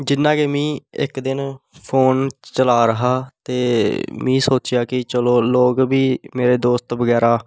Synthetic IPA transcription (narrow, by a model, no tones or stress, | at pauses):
d͡ʒɪnːãːkeːmĩːɪ̰kd̪ɪnpʰoːnt͡ʃəlaːɾəɦaːt̪eːmĩːsoːt͡ʃjaːkɪt͡ʃəloːloːkbiːmeːɾeːd̪oːst̪bəɡɛːɾaː